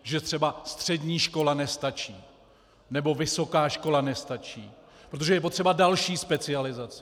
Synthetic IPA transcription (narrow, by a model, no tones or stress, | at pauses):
ʒɛt̪r̝̥ɛbast̪r̝̥ɛdɲiːʃko̞lanɛst̪at͡ʃiː | nɛbo̞vɪso̞kaːʃko̞lanɛst̪at͡ʃḭː | pɾot̪oʒɛjɛp̬ot̪r̥ɛbadalʃiːspɛt͡sɪalɪzat͡sɪ̥